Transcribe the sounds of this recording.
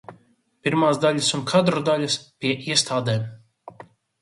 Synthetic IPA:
pʲiɾmaːzd̪aʎʲasunkʰad̪ɾɔd̪alʲaspʲiɛʔiɛst̪aːd̪ɛːm

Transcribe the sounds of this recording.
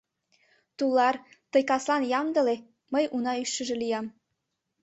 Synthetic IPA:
t̪ulːɑr | t̪ɤ̆jkɑslɑnjɑmd̪ɤ̆le | məjunɑyʃə̆ʒĕlijɑm

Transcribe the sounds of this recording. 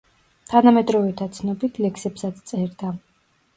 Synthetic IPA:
t̪ʰanamɛd̪ɾɔvɛt̪ʰat̪sʰnɔbit̪ʰlɛksɛpsat̪st̪sʼɛɾd̪a

